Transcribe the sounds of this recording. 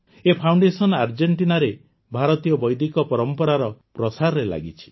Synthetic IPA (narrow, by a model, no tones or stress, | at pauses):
epʰawɳɖesɔnaɾd͡ʒeɳʈinaɾe | bʱaɾɔt̪ijɔbɔjd̪ʱikɔpɔɾɔmpɔɾaɾɔpɾɔsaɾɔɾela̰ɡit͡ʃʰi̥